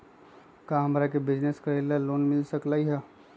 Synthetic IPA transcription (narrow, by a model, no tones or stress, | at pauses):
kaːmɾakebɪd͡ʒneskɐɾelaloːnmɪlsəklaːiɦɛ